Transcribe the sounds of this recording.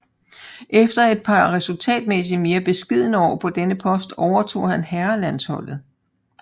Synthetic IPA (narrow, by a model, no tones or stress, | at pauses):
ʔefd̥ɐe̝d̥̚pʰɑ̈ʁɛsult͡sʰɛ̰ːd̥mes̬ime̝ːɐb̥e̝sɡ̥ið̰ˠnəɒ̰ːpʰɒ̽d̥enəpʰɒ̽sd̥ɒʊɐt͡sʰo̝̰ːhænhæɐlænshɒ̽l̰ð̞̩ˠ